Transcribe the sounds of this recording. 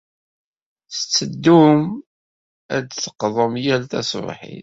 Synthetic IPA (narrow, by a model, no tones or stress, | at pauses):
θət͡sːəd̪ːum | æd̪θə̥qðˤəmjælt̪æ̰svħḭ